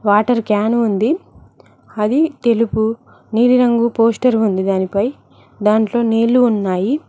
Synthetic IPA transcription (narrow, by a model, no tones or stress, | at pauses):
ʋaːʈɐɾkaːnuund̪i | ɐd̪it̪e̞lupu | niːɽiɾɐŋɡupo̞ːsʈɐɾund̪id̪aːnipɐj | d̪aːɳʈlo̞ːneːluːnːaːji